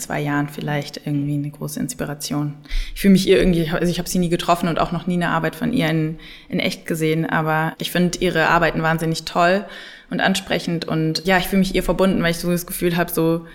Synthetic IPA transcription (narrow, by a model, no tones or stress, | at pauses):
t͡sv̥a̰ɪjaːʁənfɪlaɪçtʔɪɐɡŋ̩tv̥iːnəɡ̥ʁoːsəɪnspiʁ̞at͡sjoːnʔɪçfyːləmɪçʔiːɐʔɪɐɡŋ̩tv̥iːɪçaʔalzoʊɪçhaːbəz̥iːniːɡətʁ̥ɔfn̩ʊnta̰ʊxnɔχniːnəʔa̰ɐbaɪtfɔ̰nʔḭːɐɪn | ʔɪnʔɛ̰çt̚ɡ̥əzeːənʔa̰ːbɐʔɪçfɪndəʔiːʁ̞əʔa̰ɐbaɪtn̩vaːnzɪnɪçtʰɔl | ʔʊntʔa̰nʃpʁ̥ɛ̰çn̩tʔʊ̰ntjaːɪçfyːləmɪçʔiːɐfɛɐbʊndn̩vaɪlɪçz̥oːdasɡ̥əfyːlɦaːbəzoː